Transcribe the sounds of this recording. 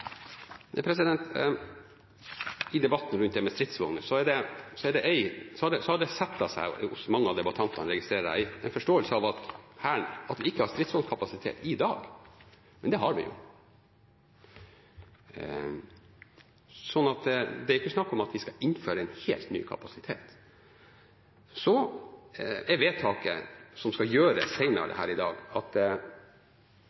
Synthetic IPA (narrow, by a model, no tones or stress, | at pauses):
pʰɾɛs̬ɪd̪ɛnt̪ | ɪd̪ɛbɑt̪ːn̩ɾʉnt̪̚d̪ɛmɛst̪ɾɪt̪sʋɔŋnəsɔæɖɛsɔɛɖɛʔæɪsɔɑɖɛsɔhɑɖɛsɛt̪ːɑsæ̰ɪɔsmɑŋːəɑʋd̪ɛbɑt̪ʰɑnt̪ɑ̰nɾɛɡɪst̪ɾeːɾəæ̰ɪɛɪnfɔʂʈoːəlsəɑʋɑt̪hæːɳɑt̪ʋɪɪkːəhɑɾst̪ɾɪt̪sʋɔŋkʰɑpɑsɪt̪ʰḛːt̪ɪd̪ɑːɡ | mɛnd̪ɛɦɑɾʋɪ̰jʊ̰ | sɔnːɑt̪d̪ɛæɾɪkːəsnɑkːɔmɑt̪ʋɪskɑʔɪnføːɾəɛnhḛːlt̪ny̰ːkʰɑ̰pɑsɪt̪ʰḛːt̪ | sɔ | ɛʋeːt̪ʰːɑːkə̰sɔmskɑjøːɾə̰sæɪnə̰ɾə̰d̪ɛ̰hæ̰ːɾɪd̪ɑ̰ːɡɑt̪